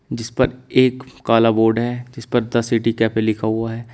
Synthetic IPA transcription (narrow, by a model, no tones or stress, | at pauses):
d͡ʒɪspɐɾeːkkaːlaboːɾɖɦɛːd͡ʒɪspɐɾd̪ɐsiʈikɛːpelɪkʰaɦuaɦɛː